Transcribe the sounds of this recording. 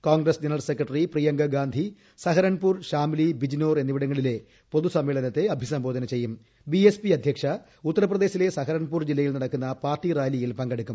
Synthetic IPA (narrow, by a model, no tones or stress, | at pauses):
koːŋɡrɐsd͡ʑenɐrɐlsekrɐʈːɐriprijɐŋɡɐɡaːnd̪ʱi | sɐɦɐɾɐɳpuːrɕaːmlibid͡ʑino̞ːre̞nːiʋiɽɐŋːɐɭile̞ | po̞ðusɐmʋeːɭɐnɐt̪ːe̞ɐbʱisɐmbo̞ːd̪ɐnɐt͡ɕe̞jːum | biespiɐd̪ʱjɐkʂɐ | ut̪ːɐɾɐprɐðeːɕile̞sɐɦɐɾɐɳpuːrd͡ʑilːɐjilnɐɽɐkːunːɐpaːrʈiraːjlijilpɐŋɡɐɽukːum